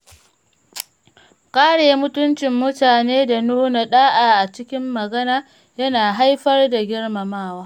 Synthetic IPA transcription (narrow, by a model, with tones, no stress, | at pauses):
kaː˦ɽeː˨mʊ˦tʊ˦nt͡ʃɪ˨mːʊ˦taː˨neː˦da˨nuː˦na˨ɗaː˦ʔaː˨ʔa˨t͡ʃɪ˦kʲɪ˦mːɐ˨ɡɐ˦naː˦ | jɐ˦naː˨ɦa˦jɸɐ˦rda˨ɡʲɪ˦rma˨maː˦waː˦